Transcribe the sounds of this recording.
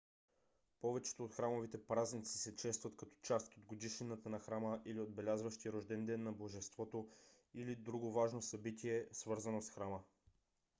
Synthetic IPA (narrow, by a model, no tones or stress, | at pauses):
pɔvɛt͡ʃɛ̥t̪oːt̪xɾamovit̪ɛpɾaznit̪si̥sɛt͡ʃɛst̪vɐt̪kɐt̪ɔ̥t͡ʃast̪od̪̚ɡod̪iʃinət̪ənɐxɾaməʔiliod̪̚bɛlʲazvəʃt̪iɾoʒd̪ɛnd̪ɛnːɐboʒɛst̪vɔt̪o | ilid̪ɾuɡovaʒnosɐbit̪iɛsvɤɾzɐnosxɾamə